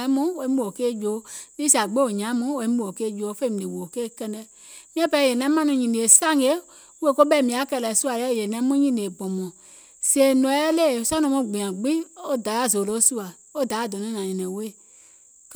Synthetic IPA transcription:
mũ˦o˧˦ũ˦˨o˨keː˦˨d͡ʒoː˨˦li˦sa˨ɡ͡be˦o˨ɲã˨˦mũ˦o˧˦ĩ˦ũ˦˨o˨keː˦˨d͡ʒo˨˦fe˦mĩ˨i˨wo˨keː˦˨kɛ˧ndɛ˧ | mĩ˦ɛ̃˦pɛ˧˨jɛ˨nɛ̃˨˦mã˦nũ˧ɲĩ˨di˨e˨sa˦ŋe˨˦ | we˦ko˦ɓɛ˦˨mĩ˨a˨˦kɛ˧˨lɛ˨su˦a˨lɛ˦˨jɛ˨nɛ̃˦mũ˦ɲĩ˦˨ne˨bɔ̃˨mɔ̃˨ | se˨nɔ̃˨˦ɛ˦le˦˨sa˦nɔ̃˧mɔ̃˧˨ɡ͡bĩ˨ã˨ɡ͡bĩ˦o˦da˨˦a˦˨zo˨lo˨˦su˦a˨ | o˦da˨˦a˦˨dɔ˨nɔ̃˨˦nã˨ĩ˨nɛ̃˨˦we˦˨ | k

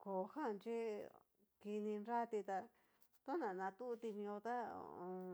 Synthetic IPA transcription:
ko˨˧ha˦˨˧nt͡ʃi˦ | ki˧nĩ˧nɾa˦t̪i˧t̪a˧ | t̪õ˦nã˨nã˧t̪u˦ʔt̪i˧mĩ˧õ˧t̪a˦o̰˧õ˧

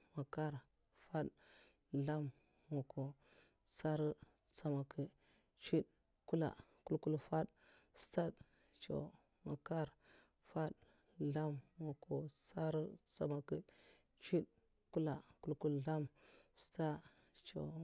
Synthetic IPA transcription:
ma˨ka˦ɾ | fa˦ɗ | ɮa˦m | wo˨kʰo˨ | t͡sa˦ɾi˦ | t͡sa˨ma˨kə˨ | t͡ʃi˦ɗ | ku˦la̰˨ku˦lku˦lfa˦ɗ | sta˦d | t͡ʃo̰˨ | ma˨ka˦ɾ | fa˦ɗ | ɮa˦mwo˨kʰo˨t͡sa˦ɾi˦t͡sa̰˨ma˨kə˨ | t͡ʃi˦ɗ | ku˦la˨ku˦lku˦lɬa˦msta˦ | t͡ʃo̰˨

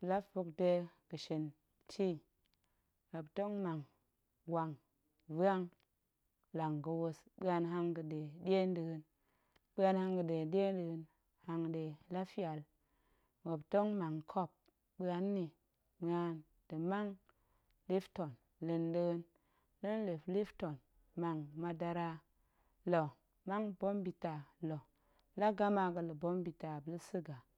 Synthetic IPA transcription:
la˦fu˧kde˧ɡə˨ʃi˨n | tʰi˦ | wa˨pto˦ŋma˨ŋ | wa˨ŋ | va˦ŋ | la˨ŋɡə˧wo˧sɓɨ˦a˧nɦa˧ŋɡə˧de˨dʲe˦ndɨ˧ɡɨ˧n | ɓɨ˦a˧nha˧ŋɡə˨de˨de˦n˦də˧ɡɨ˧n | ha˧ŋde˨la˦fi˦a˨l | wo˨bto˦ŋma˨ŋkʰo˦˨p̚ | bə˦a˨nːi˨ | ɓə˦a˨n | d̥ə˨ma˦ŋ | li˦fto˨n | li˨ndə˦ɡə˦n | lə˦nli˨fli˦fto˨n | ma˨ŋma˨˧da˧ɾa˦ | lo˨ | ma˦ŋbo˦mbi˨ta˨lo˨ | la˦ɡa˦ma˨ɡə˨lə˨bo˦mbi˨ta˨bə˨lə˦sɨ˦ɡa˨

